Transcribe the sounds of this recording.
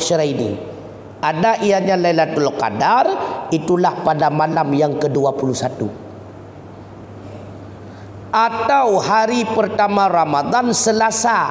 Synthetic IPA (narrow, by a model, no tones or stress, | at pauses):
ʃəɾainḭ | ʔadaʔiaɲalailat̪uloka̰darit̪ulahpadamalamjaŋkəduapulusat̪ṵ | ʔat̪awhaɾipərt̪amãramad̪ansəlasa